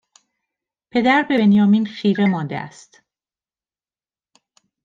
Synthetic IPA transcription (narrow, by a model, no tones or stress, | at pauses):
pʰe̞d̪æɾbe̞enjɒːmiːnxiːɾemɒːnd̪ḛʔæ̰st̪